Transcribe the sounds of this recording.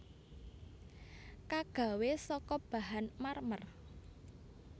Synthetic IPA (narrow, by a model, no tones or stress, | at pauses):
kaɡ̥a̤wesɔkɔb̥a̤ɦanmarmər